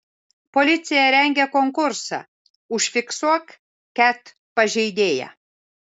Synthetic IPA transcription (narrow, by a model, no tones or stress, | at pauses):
polʲɪt̪sʲɪjɛɾʲɛŋʲɡʲɛkoŋkʊɾsɑ̰ | ʊʃfʲɪksuɔk | kʲæt̪ | pɐʒʲɛɪd̪ʲeːjɛ̰